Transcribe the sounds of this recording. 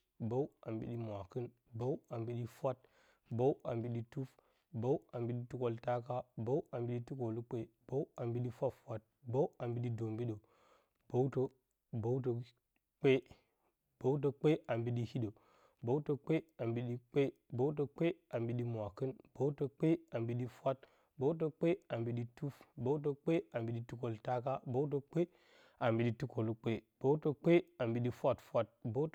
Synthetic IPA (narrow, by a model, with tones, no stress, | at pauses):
bo˦wa˨mbḭ˦ɗi˦mʷ˨a˨kɨ˦n | bo˦wa˨mbi˦ɗi˦fʷa˦t̚ | bo˦wʔa˨mbi˦ɗi˦tu˦f | bo˦wa˨mbi˦ɗi˦tu˦ko˦lta˦ka˦bo˦wa˨mbi˦ɗi˦tu˦ko˨lu˦k͡pe˦b̥o˦wa˨mbi˦ɗi˦fʷa˦fʷwʷa˦t̚bo˦wa˨mbi˦ɗi˦do˨mbi˦ɗo˨ | b̥o˦to˦ | bo˦wt̬o˨ | k͡pe˦ | b̥o˦wt̬o˦k͡pe˦a˨mbi˦ɗi˦hi˦ɗo˨ | bo˦wto˦k͡pe˦a˨mbi˨˦ɗi˦k͡pe˦bo˦wt̬o˦k͡pe˦a˨mbi˨˦ɗi˦mʷ˨a˨kɨ˦nb̥o˦wto˦k͡pe˦a˨mbi˦ɗi˦fʷa˦t̚ | bo˦wt̬o˦k͡pe˦a˨mbi˨ɗi˦tu˦fbo˦wt̬o˦k͡pe˦a˨mbi˨ɗi˦tu˦ko˨lta˦ka˦bo˦wt̬o˦k͡pe˦ | a˨mbi˨ɗi˦tu˦ko˨lu˦k͡pe˦b̥o˦wto˦k͡pe˦a˨mbi˨ɗi˦fʷa˦˨tfʷa˦t̚bo˦t